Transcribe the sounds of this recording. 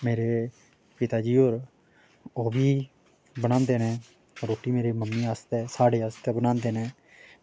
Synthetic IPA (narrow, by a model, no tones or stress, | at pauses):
meːɾeː | pɪt̪aːd͡ʒiːɦoːɾ | oːbiː | bəñãːnd̪eːnɛ̃ː | ɾoːʈiːmeːɾeːməmːiːaːst̪ɛːsaːɽeːaːst̪ɛːbənãːnd̪eːnɛː